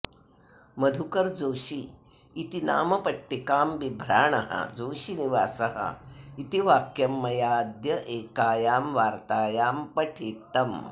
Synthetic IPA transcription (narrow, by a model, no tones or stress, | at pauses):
mɐd̪ʱukɐɾd͡zoːʃiː | t̪ina̰ːmɐpɐʈːikaːmʋibʱɾaːɳɐɦɐ̰d͡zoːʃiniʋaːsɐɦɐ̰it̪iʋaːkjɐmːɐjaːd̪jɐʔeːkaːjaːmʋaːɾt̪aːjaːmpɐʈʰeːt̪ɐm